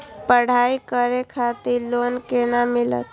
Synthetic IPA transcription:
pəɽ̤aikəɾekʰat̪iɾlonkenamilə̰t̪

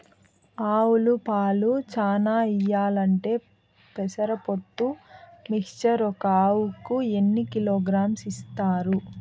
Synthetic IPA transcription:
aːwulupaːlut͡ʃaːnaːijaːlɐɳʈe̞ː | pɛsɐɾɐpoʈːumikt͡ʃɐɾɔkɐaːwukue̞nːikiloːɡɾaːmsist̪aːɾu

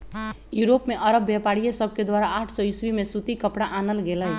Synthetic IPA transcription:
juɾopmeʔʌɾʌbːjapaɽijesʌb̚ʱked̪waɾaaʈʰsʌiswimesut̪ikʌpɽaʔanəlɡeləj

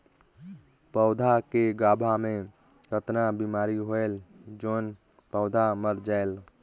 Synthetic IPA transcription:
pəʊd̪ʱakeɡaːbʱamẽ | ɾət̪nabimaːɾiɦoeld͡ʒoːn | pəʊd̪ʱaməɾd͡ʒael

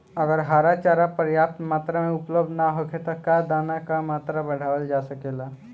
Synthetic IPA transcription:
əɡəɾɦaɾat͡ʃaɾapəɾjap̚t̪mat̪ɾəmeupləbd̪ʱnaɦokʰet̪ɔkad̪anakamat̪ɾəbəɽ̤ʱaʋəld͡ʒasəkela

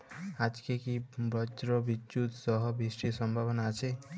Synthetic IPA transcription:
ad͡ʒkekibɔt͡ʃɾɔbit͡ʃut̪sɔɦɔbisʈisɔmbʱabɔnaːt͡ʃʰe

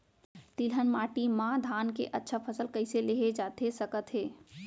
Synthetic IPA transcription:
t̪ilənmaːʈimãd̪ʱaːnkeʔətːʃʰapʰəsəlkəɪseleɦed͡ʒaːt̪esəkət̪ɦeː

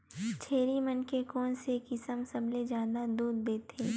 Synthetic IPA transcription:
t͡ʃʰeːɾimənkekɔːnsekɪsəmsɐbled͡ʒjaːd̪ad̪uːd̪̚ːeːt̪ʰeː

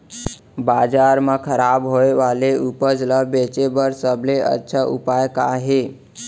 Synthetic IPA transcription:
bad͡ʒaɾməkʰəɾabɦoeʋaleupəd͡ʒləbet͡ʃebəɾsəbleə̰tːʃʰaʔṵpajka̰ɦe

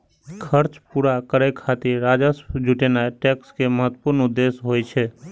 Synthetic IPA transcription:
kʰəɾt͡ʃpuɾakəɾekʰat̪ɪɾɾaːd͡ʒəsd͡ʒʱuʈenaʈɛːkskeməɦət̪ːəpuɾnʊd̪ːesɦojt͡ʃʰɛ

